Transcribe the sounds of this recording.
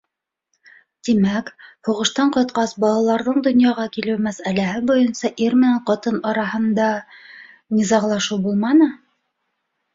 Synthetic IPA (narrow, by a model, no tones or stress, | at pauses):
t̪imækhuʁɤ̆ʃt̪ɑɴqɤ̆t̪qɑsbɑlˠɑlˠɑɾðɤɴd̪ŏnjɑʁɑkilɘwmæsælæhɘbujɤnsɑʔiɾmɘ̆næɴqɑt̪ɤnɑɾɑɦɤ̆nd̪ɑ | nizɑɴlˠɑʃuwbulˠmɑnɤ